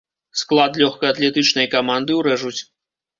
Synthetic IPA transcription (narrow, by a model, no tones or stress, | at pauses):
sklˠat̪lʲɔxkɐjat̪lʲɛt̪ɨt͡ʂnɐjkamand̪ɨwɾɛʐut͡sʲ